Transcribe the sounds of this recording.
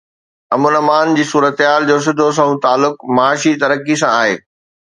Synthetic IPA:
ɐmʊnɐmaːnd͡ʑiːsuːɾət̪ɦaːld͡ʑoːs̬ɪ̃d̪ʱos̬ɐ̃ũt̪aːlːʊkmɐaːʃit̪ɐɾəkisãaːɦeː

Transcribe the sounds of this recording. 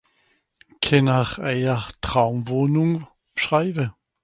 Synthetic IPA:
kʰɛnaχɛɪɐtʁ̥aʊmvoːnuŋ | ʃʁaɪvə

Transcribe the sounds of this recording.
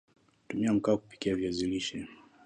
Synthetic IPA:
tumiam̩kaːku̥pi̥kiaviaziliʃɛ

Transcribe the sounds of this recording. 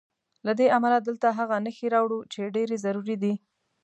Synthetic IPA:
lad̪eʔamalad̪əlt̪aɦaɣanəxeɾɑwɽut͡ʃeɖeɾezaɾuɾid̪i

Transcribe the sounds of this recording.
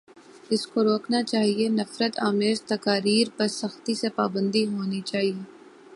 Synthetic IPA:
ɪskoɾoːknat͡ʃaːɦienɐfɾət̪aːmeːzt̪ɐkaːɾiːɾpɐɾsɐxt̪isepaːbə̃nd̪iɦoːnit͡ʃaːɦieː

